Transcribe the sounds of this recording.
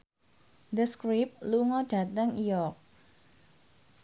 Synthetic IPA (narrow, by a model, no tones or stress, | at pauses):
d̪əskɾip̚luŋɔd̥ä̤t̪əŋijɔk̚